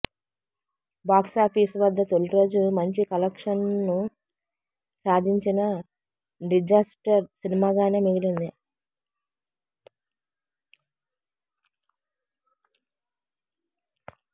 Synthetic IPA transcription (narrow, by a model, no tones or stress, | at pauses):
baːksaːpʰiːsʋɐd̪ːɐt̪oɭiɾoːd͡ʒumɐɲt͡ʃikɐlɐkʂɐnnu | saːd̪ʱiɲt͡ʃinɐ | ɖid͡ʒaːsʈɐɾsinimaːɡaːneːmiɡilind̪i